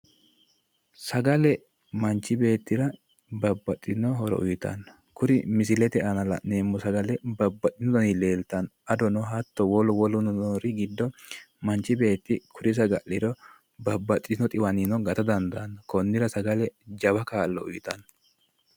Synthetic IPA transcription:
sɐɡɐlɛ | mɐnt͡ʃːɪbe̞ːt̪ːɪɾɐ | bɐbːɐt̪ʼːɪnɔɦɔɾɔ̰ʔʊ̰jɪt̪ɐ̰nɐ | kʊɾɪmɪsɪlɛt̪ɛʔɐnɐlɐ̰ne̞ːmːʊsɐɡɐlɛbɐbːɐt̪ʼːɪnd̪ɔnɪleːlt̪ɐnɐd̪ɔnɔɦɐt̪ːɔwɔlɔwɔlʊnɔɾɪɡɪd̪ːɔ | mɐnt͡ʃːɪbe̞ːt̪ːɪkʰʊɾɪs̬ɐɡɐʔlɪɾɔ | bɐbːɐt̪ʼːɪnːɔt̪ʼɪwɐninɔɡɐt̪ɐd̪ɐnd̪ɐɐnːɐkɔnːɪɾɐsɐɡɐlɛd͡ʒɐbɐkaːlːɔʊjɪt̪ɐn

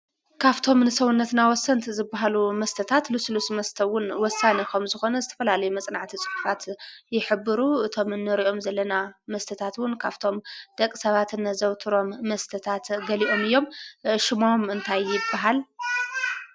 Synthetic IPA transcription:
kʰaβt̪ʰo̞mnɨsɐwunːɐt̪nawɔsːɐnt̪ʰzɨbːaɦalumɐst̪ʰɐt̪ʰat̪luslusmɐst̪ʰɐwʊnwɔsanɐkɐmzɨxo̞nɐzɨt̪ʰɐ̥fɐlalɐjumɐt͡sʼnaʕt̪ʰit͡sʼɨ̥ħuħʰat̪jɪħɨbːɨɾuʔɨt̪ʰo̞mɨnːɨɾiʔo̞mzɐlːɐnamɐst̪ʰɐt̪ʰat̪wʊnkʰaβt̪ʰo̞md̪̥ɐkʼɨsɐβat̪ɨnːɐzɐwt̪ʰɨɾo̞mːɐst̪ʰɐt̪ʰat̪ɡɐliʔo̞mɨjːo̞mʃɪmomɨnt̪ʰajjɪbːaɦal

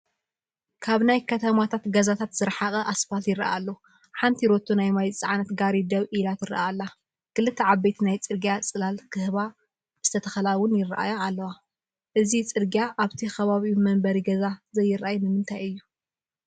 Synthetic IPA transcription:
kʰaβnajkʰɐt̪ʰɐmat̪ʰat̪ɡɐzat̪ʰat̪z̥ɨɾħaχʼɐʔasfat̪jɪɾɐ̰ʔalːo | ħant̪ʰiɾot̪ʰːunajmajt͡sʼʕanɐt̪ɡaɾid̪ɐβʔilat̪ɪɾɨ̰ʔaalːa | kɨlɨt̪ʰːɐʕabːɐjt̪ʰinajt͡sʼɨɾɡijat͡sʼɨlalkʰɨhβa | zɨ̥t̪ʰɐt̪ʰɐxɐlawʊnjɪrʔa̰jaalːɐwa | ʔɨzit͡sʼɨɾɡjaʔaβt̪ʰixɐβaβimɐmbɐɾiɡɐzazɐjːɪɾʔajnɨmɨnt̪ʰajɨjːu

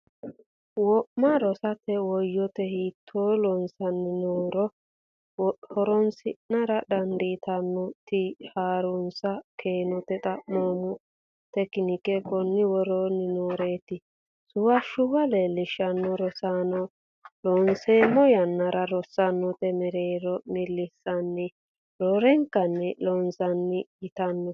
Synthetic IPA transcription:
wɔʔmːɐɾɔsɐt̪ɛwɔjːɔt̪ɛhiːt̪ʰːoːlɔnsɐnːɪnoːɾɔ | hɔɾɔnsɪʔnɐɾɐd̪ɐnd̪iːt̪ʰɐnːɔt̪ɪhaːɾʊnsɐkʰeːnɔt̪ɛt̪ʼɐʔmoːmʊ | t̪ɛkːɪnɪkɛkɔnːɪwɔɾoːnɪnoːɾeːt̪ɪ | sʊwɐʃʊwɐleːlːɪʃɐnːɔɾɔsanɔ | lɔnseːmɔjɐnːɐɾɐɾɔsɐnːɔt̪ɛmɛɾeːɾɔmɪlːɪsːɐnːɛ | ɾoːɾɛŋkːɐnːɛlɔnsɐnːɪjɪt̪ɐnːɔ

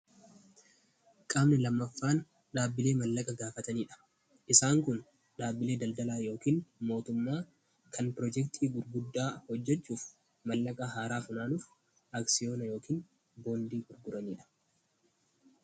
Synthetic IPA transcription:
kʼaːbnɛlɐmːɐfːaːn | ᶑaːbːɪle̞ːmɐlːɐkʼɐɡaːfɐt̪ɐniːᶑɐ̥ | ʔɪsaːŋkʊn | ᶑaːbːɪle̞ːd̪ɐld̪ɐlaːjo̞ːkiːnmo̞ːt̪ʊmːaː | kʰɐnpɾɔd͡ʒɛkt̪ʰiːɡʊɾɡʊd̪ːaːhɔd͡ʒːɛt͡ʃːuːf | mɐlːɐkʼɐɦaːɾaːfʊnaːnʊf | aːksɪjo̞ːnɐjo̞ːkiːn | bo̞ːnd̪iːɡʊɾɡʊɾɐniːᶑɐ̥

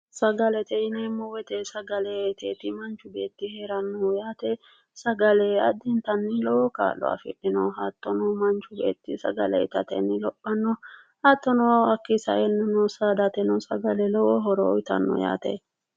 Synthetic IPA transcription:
sɐɡɐlɛt̪ɛɪnɛmːɔwɛt̪ɛsɐɡɐlɛt̪ʰeːt̪ɪmɐnt͡ʃʊbe̞ːt̪ːɪheːɾɐnːɔjaːt̪ɛ | sɐɡɐlɛɐd̪ɪnt̪ɐnːɪlɔwɔka̰ːlːɔ̰a̰fɪᶑɪnɔɦaːt̪ːɔnɔmɐnt͡ʃʊbḛːt̪ːɪsɐɡɐlɛ̰ɪt̪ɐt̪ɛ̰nːɪlɔpʼːɐnːɔ | haːt̪ːɔnɔɐkːisɐ̰ʔɛnːɪnɔsad̪ɐt̪ɛnɔsɐɡɐlɛlɔwɔɦɔɾɔɔjt̪ɐ̰nːɔ̰ja̰ːt̪ḛ

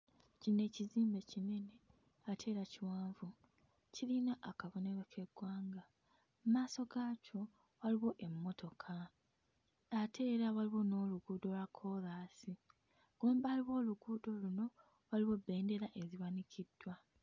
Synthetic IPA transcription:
cine̞ciziːmbe̞cine̞ne̞ | atʰe̞ːɾaciwaːɱvu | cilinaʔakaβo̞ne̞ɾekʰe̞ɡwaːŋɡa | mumaːso̞ɡaːcʰo̞ | waliβo̞ʔe̞mːo̞tʰo̞kʰa | atʰe̞ːɾaβaliβo̞no̞ːluɡuːdo̞lwakʰo̞laːsi | ɡ̥oːmbaːliβo̞ːluɡuːdo̞luno̞ | waliβo̞bːe̞ːnde̞ɾaʔeziβanicʰidːwa

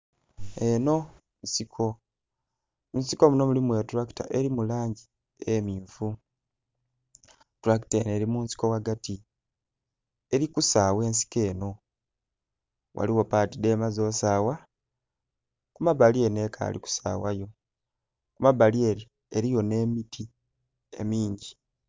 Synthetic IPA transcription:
eno̞ | nsikʰo̞ | nsiko̞muno̞mulimwe̞tuɾaki̥ta̰ʔe̞ɾimulaːɲɟi | emiːɱfu | tɾaki̥tene̞ɾimuːnsi̥ko̞waɡati | e̞ɾikusawe̞ːns̬i̥ke̞ːno̞ | wʔa̰liwo̞paːtide̞ːmazo̞ːsaːwa | kumaβalie̞ne̞ːkʰa̰ːlḭku̥sa̰ːwajo̞ | kumaβalie̞ɾi | eɾijo̞ne̞ːmitʰi | e̞̰miːɲɟi

